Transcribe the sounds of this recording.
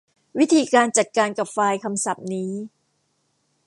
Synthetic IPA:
wi˦˥t̪ʰiː˧kaː˧nt͡ɕa˨˩t̪̚kaː˧nka˨˩p̚faː˧jkʰa˧msa˨˩p̚niː˦˥

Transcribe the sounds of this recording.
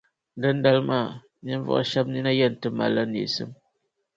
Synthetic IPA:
dɨ˦n̩˦da˦lma˦˨ | ni˦vɔ̰˨ʔa̰˦ʃa˦p̚ni˦na˦jɛ˦˨n̩˨tɨ˦ma̰˨la˦nḭ˨sɨ̰˦m

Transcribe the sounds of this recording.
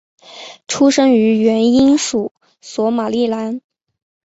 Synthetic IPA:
ʈ͡ʂʰu˥ʂɤ˥ŋy˧˥ɥɛ˧˥ni˥nʂu˨˩˦ | swɔ˧˥ma˨˩li˥˩la˧˥n

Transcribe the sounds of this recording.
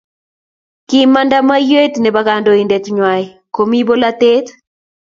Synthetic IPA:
kɪ˦ma˦ndama˦jwe˦tnɛ˨baɡando˨indɛt̪ɲwa˨j | ko˨mi˦bo˦la˦t̪e˦t̪

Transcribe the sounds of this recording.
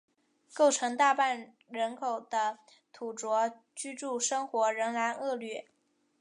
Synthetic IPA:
ko˥˩ʊʈ͡ʂʰɤ˧˥ŋt̪a˥˧pa˥˩n | ɻə˧˥nkʰo˨˩ʊd̪̥ə˦ | t̪ʰu˨˩ʈ͡ʂwɔ˧˥ | t͡ɕy˥ʈ͡ʂu˥˩ʂɤ˥ŋxwɔ˧˥ɻə˧˥ŋla˧˥nɤ˥˧lɥɛ˥˩

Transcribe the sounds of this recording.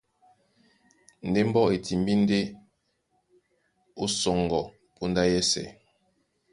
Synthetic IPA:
n̩˨de˦m̩˦bɔ˦ʔe˨tʰi˨m˦bi˦n̩˦de˦ | o˦sɔ˨ŋ˨ɡɔ˨ | po˦nda˦jɛ˦sɛ̰˨

